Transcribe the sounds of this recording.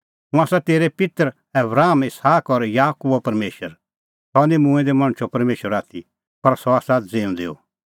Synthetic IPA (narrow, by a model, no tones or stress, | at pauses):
mũaːsat̪eːɾepɪt̪ɾ | ɛbɾaːmɪshaːkɔɾjaːkubɔpɐɾmeːʃəɾ | sɔnĩmũɛ̃d̪ɛmɐ̃ɽ̃t͡ʃʰɔpɐɾmeːʃəɾaːt̪ʰi | pɐɾsɔaːsad͡zeːũd̪eːo̰